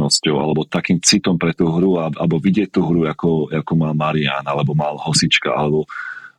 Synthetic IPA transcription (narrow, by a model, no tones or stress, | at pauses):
nɔscɔʊʔa̰lɛbɔt̪akiːmt͡sit̪ɔmpɾɛt̪uːɦɾuaalbɔʋiɟɪɛct̪uɦɾujakɔjakumaːlmaɾia̰ːnalɛbɔmaːlɦɔsit͡ʃka̰ʔa̰lɛbɔ